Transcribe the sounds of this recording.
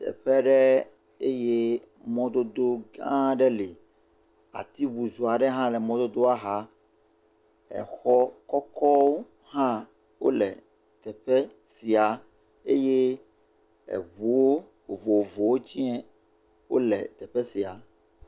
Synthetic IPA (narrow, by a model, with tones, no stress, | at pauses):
t̪ɛ̰˨ɸɛ˦ɖɛ˦ | e˦je˦ | mɔ̃˦d̪o˦d̪o˦ɡã˦ɖɛ˦li˨ | a̰˨t̪i˦bu˨zu˨a˨ɖɛ˦ɦã˦lɛ˨mɔ̃˦d̪o˦d̪o˦a˦ɦa˦ | ɛ̰˨xɔ˦kɔ˦kɔ˦wo˦ | ɦã˦ | wo̰˦lɛ̰˨ | t̪ɛ˨ɸɛ˦ | si˨a˨ | ḛ˦je˦ | ɛ̰˨βu˨wo˦ | o˨vo˨o˨vo˨wo˦t͡ɕi˦ɛ˦ | wo̰˦lɛ̰˨t̪ɛ˨ɸɛ˦si˨a˨